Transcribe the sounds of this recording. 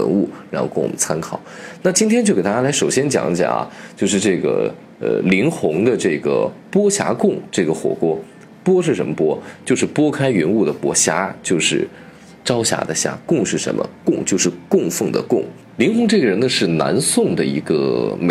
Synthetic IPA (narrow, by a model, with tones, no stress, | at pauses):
ə̰˧˥nu˥˩ɻɻa˧˥xo˥˧ʊkə˥˩ŋw̰mə˦nt͡sʰa˥nkʰɑ̰˨˩˦ʊna˥˩t͡ɕi˥nt̪ʰjɛ˥nt͡ɕjo˥˩ʊke˨˩t̪a˥t͡ɕja˥la˧˥ʂo˨˩ʊɕjɛ˥nt͡ɕjɑ̰˨˩ŋ˥ɕja̰˨˩ɐ̰˩t͡ɕjo˥˧ʊʂɻ̩˥˧ʈ͡ʂɤ˥˩ɡə̰˩ | ə̰˧li˧˥ŋxʊ˧˥ŋd̪ə˧ʈ͡ʂɤ˥˩ɡə̰˩pwɔ˥ɕja̰˧˥kʊ˥˩ŋʈ͡ʂɤ˥˩ɡə˩xwɔ̰˨˩kwɔ˥ | pwɔ˥ʂ̬ɻ̩˥˩ʂə˧˥nmə˧pwɔ˥t͡ɕjo˥˧ʊʂɻ̩˥˩pwɔ˥kʰa˥ɪɥɛ˧˥nu˥˩d̪ə˩pwɔ˧˥ɕja˧˥t͡ɕjo˥˧ʊʂɻ̩˥˩ | ʈ͡ʂɑ˥ʊɕja̰˧˥d̪ə˧ɕja̰˧˥kʊ˥˧ŋʂɻ̩˥˩ʂə̰˧˥nmə̰˧kʊ˥˧ŋt͡ɕjo˥˧ʊʂɻ̩˥˧kʊ˥˧ŋfə˥˩ŋd̪ə̰˩kʊ˥˩ŋ | li˧˥ŋxʊ˧˥ŋʈ͡ʂɤ˥˩ɡə˩ɻə˧˥nd̪ə˧ʂɻ̩˥˩na̰˧˥nsʊ˥˩ŋd̪ə˩ḭ˧˥ɡə̰˧me